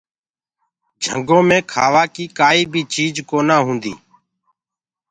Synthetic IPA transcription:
d͡ʒʱə̰ŋɡõːmẽːkʰaːʋaːkiːkaːiːbʱiːt͡ʃiːd͡ʒkoːnaːɦũːnd̪ḭː

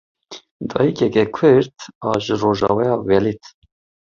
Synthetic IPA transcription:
d̪ɑ̰ːjikɛkɛkʰɨɾt̪ɑːʒɨɾoːʒɑ̰ːwɛjɑːwɛlit̪

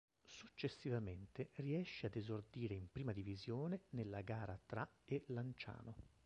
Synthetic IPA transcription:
sut͡ʃːesːivament̪eriɛʃːead̪ezord̪iːɾeimpɾiːmad̪ivizjoːnenelːaɡaːɾat̪ɾaelant͡ʃa̰ːno

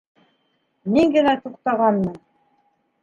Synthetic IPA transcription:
miŋɡɘ̆næt̪uq̚t̪ɑʁɑnːɤ

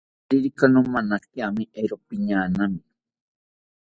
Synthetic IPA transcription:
ɾiɾikanomanakiamiʔeɾopiɲaːnami

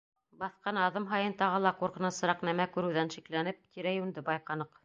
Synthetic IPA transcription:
bɑθqɑnɑðɤmɦɑjɤnt̪ɑʁɤlˠɑquɾqɤ̆nɤsɤ̆ɾɑqnæmækʉɾɘ̆wðænʃiklænɘp̚t̪iɾæjʉnd̪ɘbɑjqɑnɤq

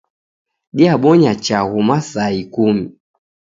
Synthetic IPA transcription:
ɗiaɓɔɲat͡ʃaɣumasaikumi

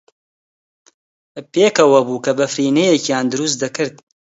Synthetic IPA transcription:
peːkɐwɐbuːkɐbɐfɾiːnejekjaːnd̪ɨɾus̬t̪̚d̪ɐkɨɾd̪̚

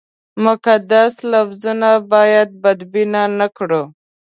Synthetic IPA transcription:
mʊkad̪aslafzunabɑjad̪̚bad̪binanakɽo

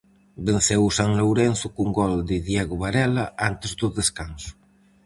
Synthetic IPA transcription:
ben̟θɛwusaŋlowɾɛnsukuŋɡɔld̪iðjeɣuβaɾɛlaant̪ezd̪uðeskansu̥

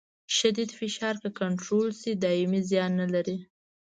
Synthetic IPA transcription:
ʃad̪id̪fɪʃɑɾkəkaɳʈɾolsid̪ɑɪmizjɑnːalaɾi

